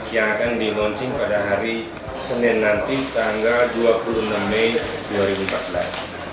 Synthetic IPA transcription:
jaŋakandilɔɲt͡ʃɪŋpadaɦaɾi | sənɛnːant̪it̪aŋɡalduapulunamːɛjduaɾibum̩pat̪̚bəlas

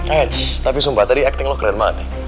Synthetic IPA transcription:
ɛt͡ʃt̪apisumbat̪adiɛk̚t̪ɪŋlɔhkəɾɛnma̰t̪ɛ

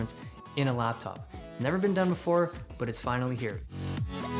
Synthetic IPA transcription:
ɨ̃ns | ɨ̃ñəlæp̚tʰɑ̰p̚snɛvə˞bɨ̃ndʌ̃nbəfɔɹb̥ʌɾɨtsfãɪ̃nl̩ˠiɦiɹ

